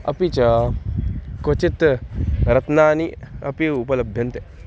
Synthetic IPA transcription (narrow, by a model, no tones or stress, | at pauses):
ɐ̰pit͡ʃɐ | kot͡ʃit̪ | ɾɐt̪naːniɐpiupɐlɐbʱjɐnt̪e